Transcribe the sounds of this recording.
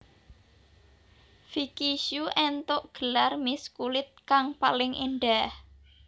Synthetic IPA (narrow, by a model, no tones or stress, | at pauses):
fikiʃuʔɛnt̪ʊʔɡ̥əlarmiskulɪt̪̚kaŋpalɪŋʔiɳɖah